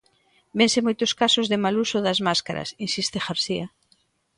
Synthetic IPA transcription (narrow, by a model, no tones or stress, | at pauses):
bensɪmojt̪ʊskasʊzðɪmalusoðazmaskaɾɐ̰sinsist̪exaɾsia